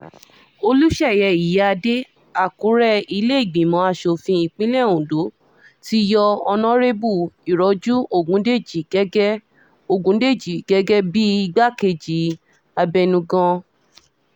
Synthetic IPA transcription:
o˧lu˦ʃɛ˦˨jɛ˧˨i˨ja˧de˦ | a˦˨kũ˨˦ɾɛ˦i˧le˦i˦˨ɡ͡bĩ˨mɔ̃˨˦a˧˨ʃo˨fĩ˧i˧˨k͡pĩ˨˦lɛ˦˨ũ˨do˨˦ | ti˦jɔ˧ɔ˧nɔ̃˦ɾe˦bu˦˨i˨ɾɔ˨˦d͡ʒu˦ʔo˦˨ɡũ˨˦de˦˨d͡ʒi˨ɡ̥ɛ˦ɡɛ˦ | o˦˨ɡũ˨˦de˦˨d͡ʒi˨ɡ̥ɛ˨˦ɡɛ˦bi˦i˧ɡ͡ba˦ke˧˨d͡ʒi˨˦ | a˧bɛ˧nũ˧ɡɔ̃˧

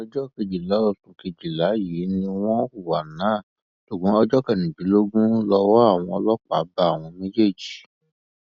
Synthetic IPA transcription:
ɔ˧d͡ʒɔ˦ke˧d͡ʒi˨la˨˦ɔ˦˨su˨ke˧d͡ʒi˨la˨˦ji˨˦nĩ˧w̃ɔ̃˦ku˦˨wa˨nãː˨˦˨ | ʃo˨ɡ͡bɔ̃˨˦ɔ˧d͡ʒɔ˦kɛ˦˨nĩ˨bi˨˦lo˦ɡũ˦lɔ˧wɔ˦a˦˨w̃ɔ̃˧ɔ˧lɔ˦k͡pa˨˦ba˦a˦˨w̃ɔ̃˧mẽ˦d͡ʒe˦˨d͡ʒi˨

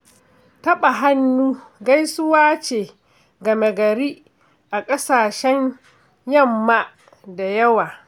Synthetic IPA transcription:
tɐ˦ɓa˨ɦa˦nːuː˦ɡa˦jsʊ˦waː˦t͡ʃeː˨ | ɡɐ˨me˨ɡɐ˨ɾiː˦ | ʔa˨kʼɐ˦saː˨ʃɛ˦ɲ | jɐ˦˨mːa˦ | da˨jɐ˦waː˨

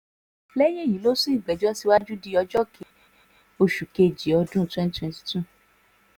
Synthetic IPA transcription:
lɛ˦j̃ẽ˦˨jĩ˨˦lo˦sũ˦i˦˨ɡ͡bɛ˨d͡ʒɔ˦si˦wa˦d͡ʒu˦di˧˦ɔ˧d͡ʒɔ˦kʰe˨ | o˧ʃu˨ke˧˨d͡ʒi˨ɔ˧dũ˦twɛ̃˦n˦twɛ̃˧nti̥˨tu˦˨

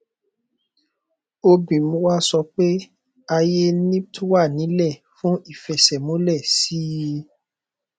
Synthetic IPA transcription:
o˧bĩ˨mũ˦wa˦sɔ˧k͡pe˦ | a˧je˦nĩ˦tʰu˦wa˦˨nĩ˨˦lɛ˦˨ | fũ˦i˦˨fɛ˨sɛ˨mõ˨˦lɛ˦˨si˦ji˧˦

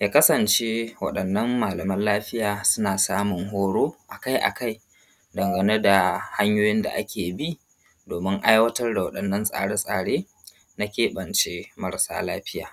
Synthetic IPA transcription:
ja˨kɐ˦sɐ˨nt͡ʃe˦wɐ̰˦ɗɐ˨nːɐ˦mːaː˨lɐ˨mɐ˦nlaː˦ɸɪ˦jaː˨sʊ˦naː˨saː˦mʊ˨ŋɦoː˦ɽoː˦ʔa˨ka˦jʔa̰˨ka˦j | dɐ˨ŋɡɐ˨ne˦da˨ha˦ɲjoː˦jɪ˦nda̰˨ʔa˦kʲʰeː˨bi˦ | doː˨mɪ˦ŋʔa˦jwɐ˦tɐ˦rda˨wɐ˦ɗɐ˨nːɐ˦nsʼa̰ː˨ɽe˦sʼa̰ː˨ɽeː˦ | na˦kʲeː˦ɓɐ˨nt͡ʃe˦mɐ˦ɽsa̰ː˦laː˦ɸɪ˦ja̰ː˨

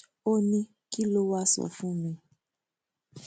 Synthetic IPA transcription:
o˦nĩ˧ | ki˦lo˦wa˦sɔ̰˨fũ˦mĩ˧

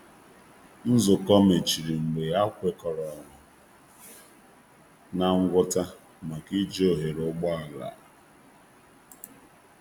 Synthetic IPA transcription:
n̩˦zʊ˨kɔ˦me˨t͡ʃi˨ɾi˨ŋ͡m̩˨ɡ͡be˨a˦kʷe˦kɔ˨ɾɔ˨ɾʊ˨ | na˨ŋ̩˦ɡʷʊ˦ta˦ | ma˨ki˦d͡ʒo˦˨ɦe˨ɾʊ˦ɡ͡bɔ˦a˨la̰˨

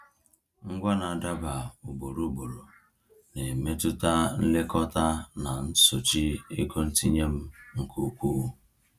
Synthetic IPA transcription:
ŋ̩˦ɡʷa˦na˨a˨da˦ba˨u˨bo˨ɾu˦bo˨ɾo˨ | ne˨me˦tʊ˦ta˦n̩˦le˦kɔ˦ta˦na˨n̩˦so˨t͡ʃi˦i˦ko˦n̩˦ti˦ɲe˦m̩˦ŋ̩˨kʰu˦˨kʷu˦u˦

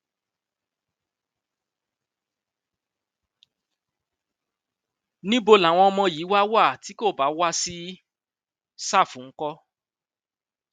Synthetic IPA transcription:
nĩ˦bo˧la˨w̃ɔ̃˧ɔ˧mɔ̃˧ji˨˦wa˦wa˦˨ti˨˦ko˦˨ba˨˦wa˦si˦ | sa˦˨fũ˨˦kɔ˧

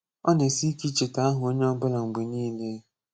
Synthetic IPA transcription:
ɔ˦ne˨si˦ki˦t͡ʃe˨ta˨˦a˦ɦʊ˨o˦ɲe˦ɔ˦bʊ˦la˨ŋ͡m̩˨ɡ͡be˨niː˦le˦

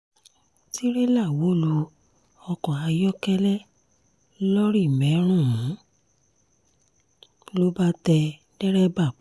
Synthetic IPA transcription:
ti˦ɾe˦la˦˨wo˨˦lu˧ | ɔ˧kɔ̃˨a˧jɔ˦kɛ˦lɛ˦ | lɔ˦ɾi˦˨mɛ̃˨˦ɾ̃ũ˦˨ũ˨˦ | lo˦ba˦tɛ˧ | dɛ˦ɾɛ˦ba˦˨˦

